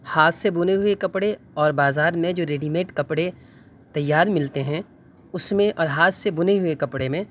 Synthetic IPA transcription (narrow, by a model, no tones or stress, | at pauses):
haːt̪ʰsebʊneɦʊekɐpɽe | ɔːɾbaːzaːɾmẽd͡ʒoːɾeːɖiːmeːʈkɐpɽe | t̪ɐjːaːɾmɪlt̪eɦɛ̃ | ʊsmẽʔɔːɾɦaːt̪ʰsebʊneɦʊekɐpɽemẽ